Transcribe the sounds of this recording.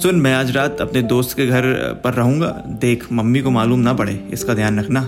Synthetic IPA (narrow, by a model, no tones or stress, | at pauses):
sʊnmɛ̃aːd͡ʒɾaːt̪ɐpned̪oːst̪keɡʱɐɾpɐɾːɐɦũːŋɡa̰ːd̪eːkʰmɐmːikomaːluːmnɐpɐɽeːɪ̰skad̪ʱjaːnɾɐkʰnaː